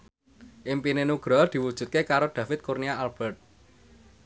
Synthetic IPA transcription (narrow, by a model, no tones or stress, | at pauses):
ʔimpinenuɡ̥ɾɔd̪̥i̤wud̥ʒ̥ṳt̪̚kekaɾod̪̥ä̤fɪt̪̚kurnijaalb̥ɛrt̪̚